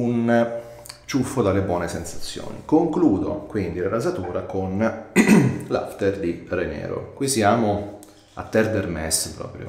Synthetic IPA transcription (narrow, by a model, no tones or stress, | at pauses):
un | t͡ʃufːod̪alːebwɔːnesɛnsḁt̪sːjo̰ːnḭkoŋkluːd̪okwind̪ilaɾazat̪uːɾakon | la̰ft̪erd̪irenɛ̰ːɾo̰kwisjaːmo | a̰t̪ːɛrd̪ɛrmɛspɾɔ̰ːpɾjo̰